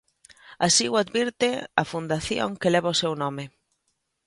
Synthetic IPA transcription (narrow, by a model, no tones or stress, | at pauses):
asiwad̪βiɾt̪ɪafund̪aθjo̰ŋkelɛβaoʊsewnɔmɪ